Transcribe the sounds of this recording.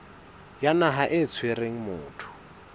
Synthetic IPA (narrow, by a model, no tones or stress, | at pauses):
janaɦaʔɪt͡sʰwereŋ̩mʊːtʰʊ̥